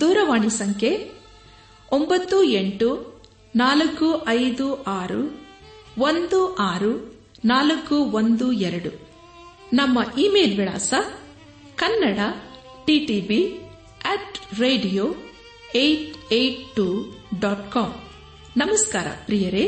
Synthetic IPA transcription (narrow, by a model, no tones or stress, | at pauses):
d̪uːɾɐʋaːɳisɐŋkʰe | ombɐt̪ːueɳʈu | naːlɐkːuʔɐjd̪uʔaːɾṵ | ʋond̪uʔaːɾu | naːlɐkːuʋond̪uɛɾɐɽu | nɐmːɐʔiːmeːlʋiɽa̰ːsɐ | kɐnːɐɽɐ | ʈiʈiːbi | ɛːʈɾeːɖijoː | ejʈejʈʈːuɖaːʈkaːm | nɐmɐskaːɾɐ̰pɾijɐɾe